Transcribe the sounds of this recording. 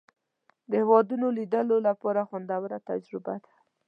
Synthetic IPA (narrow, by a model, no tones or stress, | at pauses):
d̪əhewɑd̪unolid̪əlolapɑɾaxand̪awəɾat̪a̰d͡ʒɾɪbad̪ḁ